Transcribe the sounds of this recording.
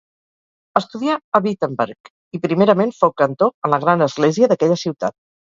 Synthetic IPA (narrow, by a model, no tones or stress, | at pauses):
əst̪uðiaəβit̪əmbɛ̰ɾk | ipɾimeɾəmenfowkənt̪oənləɣ̞ɾanəzɣleziəðəkɛʎəsiwt̪a̰t̪̚